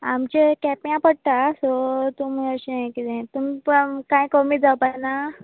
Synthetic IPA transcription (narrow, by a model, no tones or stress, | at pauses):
amt͡ɕekɛpjãpəɽ̚t̪asɔt̪uməɕinãkid͡zãt̪umipkãjkɔmid͡zawpana